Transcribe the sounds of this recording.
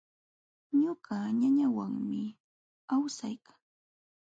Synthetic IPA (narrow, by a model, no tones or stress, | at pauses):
ɲoɢaɲaɲawaŋmɪ | awsajkḁŋ